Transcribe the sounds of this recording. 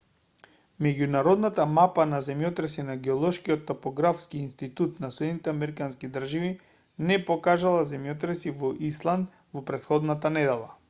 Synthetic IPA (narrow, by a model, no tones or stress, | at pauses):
mɛɟunaɾɔd̪nat̪amapanazɛmjɔt̪ɾɛsinaɡɛɔlˠɔʃkiɔt̪ːopɔɡɾafskiːnst̪it̪ut̪nasɛd̪nit̪ɛamɛɾikanskid̪r̩ʒivi | nɛpɔkaʒalˠazɛmjɔt̪ɾɛsivɔʔislˠand̪ | vɔpɾɛt̪xɔd̪nat̪anɛd̪ɛlˠa̰